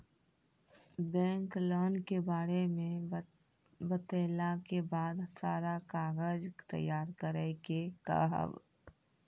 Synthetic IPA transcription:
bɛ̃ːŋkloːnkebaːɾemẽ | bət̪eːlakebaːd̪saːɾakaːɣəd͡ʒt̪ə̰jaːɾkəɾəkeka̰ɦə̰b

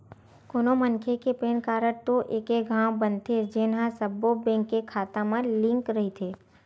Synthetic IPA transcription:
koːnomənkʰekepeːnkaːɾəɾt̪oʔeːkeɡʱãːwbənt̪ʰed͡ʒɪnɦãsɐbːobɛ̃ːŋkːekʰaːt̪ãmãlɪ̃ŋkɾɐɦit̪ʰeː

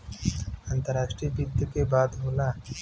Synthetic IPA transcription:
ãːnt̪əɾaːʃʈɾibʊd̪jəkebaːd̪ɦoːlaː

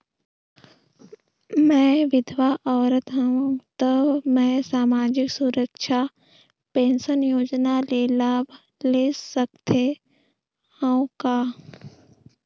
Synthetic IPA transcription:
mɛ̃ːʋɪd̪ʱʋaʔɔːɾət̪ɦəũt̪əbmɛ̃ːsaːmaːd͡ʒɪksuɾəkʃʰa | pẽːnsənjoːd͡ʒnaleːlaːb | leːsək̚t̪e | həũkaː

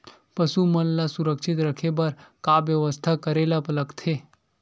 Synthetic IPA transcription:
pəsumənlasuɾəkʃɪt̪ɾəkʰebəɾkaʋjəʋəst̪ʰakəɾelapələkt̪ʰe

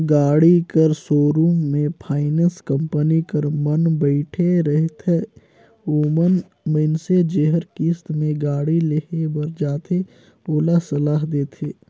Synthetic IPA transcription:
ɡaːɽikəɾsoːɾuːmːẽpʰaːɪnənskə̃mpənikəɾmənbəɪʈʰeɾəɦt̪ʰe | oːmən | mənsed͡ʒeɦəɾkist̪mẽɡaːɽileɦebəɾd͡ʒaːt̪ʰe | oːlasɐlaːɦd̪eːt̪ʰeː

